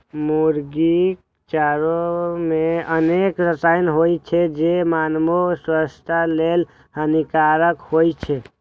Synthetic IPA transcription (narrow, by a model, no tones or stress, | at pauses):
muɾɡik | t͡ʃaɾomeənekɾəsajnɦojt͡ʃʰed͡ʒemanmoswəst̪ʰalel | hənikaɾəkhojt͡ʃʰe